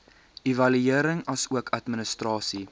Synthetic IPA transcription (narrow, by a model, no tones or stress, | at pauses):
ivɐlyiəɾəŋɐsuəkʰɐtmənəstrɑːsi